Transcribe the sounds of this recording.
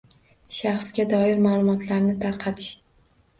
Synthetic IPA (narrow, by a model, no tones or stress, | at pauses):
ʃɑχsɡʲad̪ɒɪɾmalˠʊmɒt̪ʰlaɾnɪt̪ʰaɾqʰɑt̪ʰɪʃ